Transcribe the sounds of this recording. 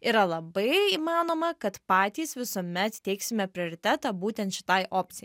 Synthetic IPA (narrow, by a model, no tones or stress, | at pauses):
iːɾɐlˠɐbɐɪiːmɑːnoːmɐkɐt̪pɑːt̪ʲiːsʋʲɪsoːmʲɛt̪t̪ʲɛɪksʲɪmʲɛpʲɾʲɪoːɾʲɪt̪ʲæt̪ɑːbuːt̪ʲɛnt̪ʃʲɪ̥t̪ɐɪʔoːpʲt̪sʲɪjɛ